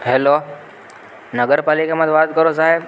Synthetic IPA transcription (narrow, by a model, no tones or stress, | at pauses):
ɦeːlo | nəɡəɾpaːlikamə̃t̪ʋaːt̪kəɾozaːɦẽ